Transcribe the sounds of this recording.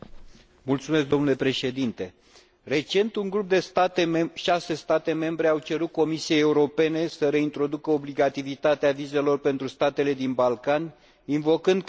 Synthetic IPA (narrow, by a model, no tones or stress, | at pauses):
mult̪sumes̬k̚d̪o̞mnule̞pɾe̞ʃe̞d̪int̪e̞ | re̞t͡ʃe̞nt̪uŋɡɾup̚d̪e̞st̪at̪eʃase̞st̪at̪e̞me̞mbɾe̞awt͡ʃe̞ɾut̪̚ko̞misiejeuɾo̞pe̞ne̞səɾe̞int̪ɾo̞d̪ukəobliɡat̪ivit̪at̪eavize̞lo̞rpe̞nt̪ɾust̪at̪e̞le̞d̪inbalkanʲ | invo̞kɨnd̪